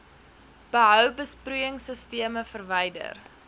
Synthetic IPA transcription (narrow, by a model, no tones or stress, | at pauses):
b̥əɦœwbəsprujəŋsəstiəməfərvɛjdə̰r